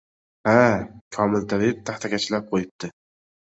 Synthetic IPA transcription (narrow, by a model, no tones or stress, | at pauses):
hakʲʰɒmɪlt̪ʰalɪt̪ʰaχt̪ʰakʲʰat͡ʃʰɪlap̚qʰojɪp̚t̪ɪ